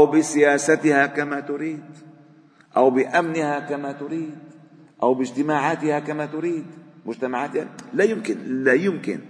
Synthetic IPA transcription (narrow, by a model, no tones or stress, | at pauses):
ʔawbɪsɪjaːsat̪ɪhakamat̪ʊɾiːd̪ | ʔawbɪʔamnɪhakamat̪ʊɾiːd̪̚ | ʔawbɪd͡ʒt̪ɪmaːʕaːt̪ɪhakamat̪ʊɾiːd̪mʊd͡ʒt̪amaʕaːt̪janlajɪmkɪnlajʊmkɪ̰n